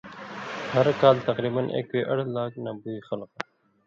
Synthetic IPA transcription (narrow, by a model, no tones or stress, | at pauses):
hɐɾkaːlt̪ɐqɾiːbanʔḛkweʔɐɽlaːknabuixalqa